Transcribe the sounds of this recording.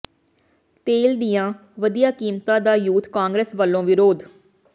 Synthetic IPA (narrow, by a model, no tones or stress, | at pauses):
t̪eːld̪ijãː | ʋəd̪ijaːkiːmt̪ãːd̪aːjuːt̪kaːŋɡɾeːsʋəlːõːʋɪɾoːd̪